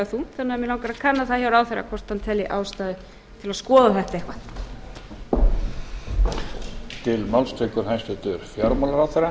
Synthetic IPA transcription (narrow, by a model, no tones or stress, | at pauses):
θuθɛnːaɛmjɪlawŋkaɾaðkʰanːaθaðçjawɾaːwθejɾa̰kʰvɔr̥t̪hant̪ʰɛlːɪʔaːwst̪aːðʏ | t̪ʰɪlaðskɔːðaθɛht̪aehkva | t̪ʰɪlmawlst̪ʰœkʏɾ̥hajst̪ʏt̪ʏɾ̥fjaɾmɔlaɾawθeɾa